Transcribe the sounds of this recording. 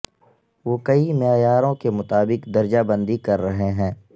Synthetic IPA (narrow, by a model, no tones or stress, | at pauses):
ʋoːkɐimɪjaːjaːɾõkemʊt̪aːbɪkd̪ɐɾd͡ʒabə̃nd̪ikɐɾːɐɦeɦɛ̃ː